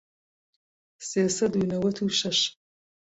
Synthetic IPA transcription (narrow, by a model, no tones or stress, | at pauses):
seːsɐdinɐwɐtʰuɕɐɕ